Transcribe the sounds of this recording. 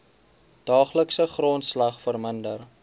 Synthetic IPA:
d̥ɑːχləksəχrontslɐχfərməndər

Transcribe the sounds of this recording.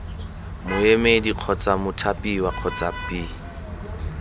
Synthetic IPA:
mʊemediq͡χʰɔt͡sʼamʊtʰapʼiwaq͡χʰɔt͡sʼapʼi

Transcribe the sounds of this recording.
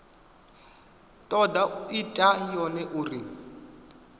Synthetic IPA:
tʼɔdaitʼajɔnɛʔuri

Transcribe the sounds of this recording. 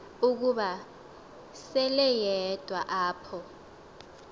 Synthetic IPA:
uk̬uɓa | sɛlɛjɛd̥ʱwaʔaːpʰɔ

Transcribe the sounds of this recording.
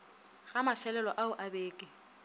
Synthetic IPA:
ɣamafɛlɛlɔʔaʊʔabeːkʼɪ

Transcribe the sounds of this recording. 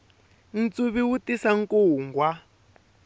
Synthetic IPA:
n̩t͡suβiwutisaŋ̩koɦuŋɡwa

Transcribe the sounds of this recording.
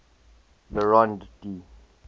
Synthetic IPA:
ləɹɔ̃nddi

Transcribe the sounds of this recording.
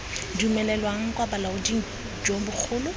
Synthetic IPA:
diumɛlɛlwaŋ̩kʼwabalaʊdiŋ̩ | d͡ʒoŋ̩bʊk͡xʰʊːlʊ

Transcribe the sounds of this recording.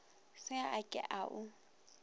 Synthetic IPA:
sɪaʔakʼɪ̰ʔaʔʊ

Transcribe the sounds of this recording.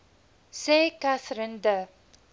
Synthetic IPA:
sekaθɾĩndə

